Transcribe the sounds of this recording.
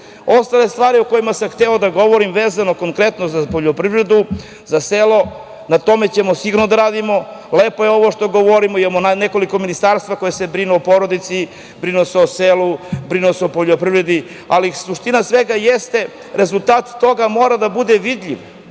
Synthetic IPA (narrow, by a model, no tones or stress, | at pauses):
o̞st̪ale̞st̪ʋaːɾiokojimasamxt̪eod̪aɡo̞ʋoɾimʋeːzanoko̞ŋkɾe̞t̪nozapoʎopɾivɾe̞d̪u | zaselo̞ | nat̪o̞me̞t͡ɕe̞mosiɡuɾnod̪aɾaːd̪imo̞leːpojeo̞ʋoʃt̪o̞ɡo̞ʋo̞ɾimoimamonne̞ko̞liko̞minist̪aːɾst̪ʋako̞jese̞bɾinuopo̞ɾod̪it̪si | bɾinoseoselubɾinuoseopoʎopɾivɾe̞d̪i | alisuʃt̪inasʋe̞ɡajest̪e̞ | ɾe̞zulˠt̪aːt̪ːo̞ɡamo̞ːɾad̪abud̪e̞ʋid̪ʎʲiʋ